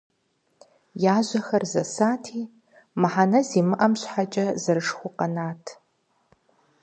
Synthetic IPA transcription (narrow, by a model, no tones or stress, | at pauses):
jaːʒʷɐxɐrzɐsaːtʰiː | mɨħanɐziːmɨʔɐmɕħat͡ʃʼɐzɨɾɨʂxʷʊqɐnaːtʰ